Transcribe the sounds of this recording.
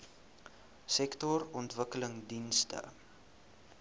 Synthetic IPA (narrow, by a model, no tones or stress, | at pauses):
sɛktɔrɔntvəkələŋdinstə̰